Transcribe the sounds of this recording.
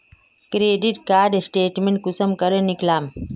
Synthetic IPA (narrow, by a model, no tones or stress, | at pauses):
kɾeːɖiʈkaːɾɖsʈeːʈmeɳʈ̚kusəmkɐɾeniklaːm